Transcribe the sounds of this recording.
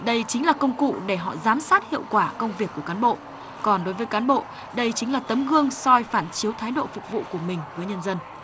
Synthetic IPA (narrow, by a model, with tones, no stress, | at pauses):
ɗə˧jt͡ɕï˨˦ŋ̟laː˨˩kə˧wŋ͡mkṵ˧˨ɗe˧˩ɦɔ̰˧˨zaː˨˦msaː˦˥t̚hḭ˧˨əwkwaː˧˩kə˧wŋ͡mvi˨˩əkːu˧˩əkaː˨˦nɓo̰˧˨ | kɔ˨˩nɗo˨˦jvəː˨˦jkaː˨˦nɓo̰˧˨ | ɗə˧jt͡ɕï˨˦ŋlaː˨˩t̪ə˨˦mɣɨ˧əŋsɔ˧jfaː˧˩nt͡ɕi˨˦əwt̪ʰaː˨˦jɗo̰˧˨fʊ˨˩k͡p̚vṵ˧˨ku˧˩əmï˨˩ŋ̟vəː˨˦jɲə˧nzə˧n